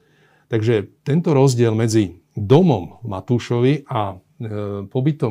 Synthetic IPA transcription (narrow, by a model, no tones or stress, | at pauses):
t̪aɡʒɛt̪ɛnt̪ɔɾɔzɟɪɛlmɛd͡zi | d̪ɔmɔmmat̪uːʃɔʋiʔa | pɔbit̪ɔ